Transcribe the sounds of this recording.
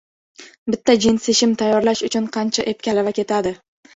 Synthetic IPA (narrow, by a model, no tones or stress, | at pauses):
bɪt̪ːad͡ʒɪnseʃɪmt̪ʰajːɒɾlaʃʊt͡ʃʰʊnqʰɑnt͡ʃʰaʔep̚kʲalavakʲe̞t̪ʰad̪ɪ